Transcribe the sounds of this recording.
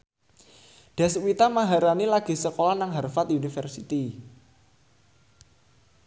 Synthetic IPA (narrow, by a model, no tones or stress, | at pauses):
ɖ̥a̤swit̪amaɦaɾanilaɡ̥i̤səkolanaŋɦərfat̪unifərsit̪i